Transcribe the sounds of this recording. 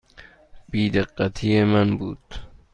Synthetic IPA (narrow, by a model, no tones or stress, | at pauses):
b̥iːd̪eqːat̪ʰiːjemanbuːd̪̥